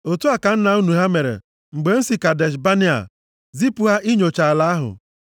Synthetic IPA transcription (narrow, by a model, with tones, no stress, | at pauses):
o˨tu˦a˦˨ka˨n̩˦na˨u˦nu˨ɦa˦me˨ɾḛ˨ | ŋ͡m̩˨ɡ͡be˨n̩˦si˨ka˨de˨ʃ̬ba˦ni˦a̰˨ | zi˦pʊ˨ɦa˦ʔi˦ɲo˨t͡ʃa˨la˨a˦ɦʊ̰˨